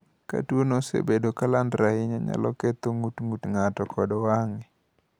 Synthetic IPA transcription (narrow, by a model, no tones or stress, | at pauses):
ka̰twonosḛbedokalandɾahɪɲaɲa̰lɔ̰kɛt̪oŋutŋutŋatɔkʰɔdwaŋɪ